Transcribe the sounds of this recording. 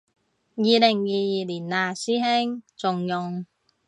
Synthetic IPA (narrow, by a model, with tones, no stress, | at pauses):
jiː˨lɪ˨˩ŋjiː˨˧jiː˨liː˨˩nːaː˨˩siː˥he˥ŋt͡sʊ˨ŋjʊ˨ŋ